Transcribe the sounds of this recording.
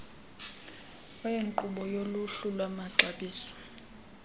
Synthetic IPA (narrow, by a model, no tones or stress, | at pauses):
ajeŋǃuɓɔjoluɬulwamaǁaɓiːsɔ̥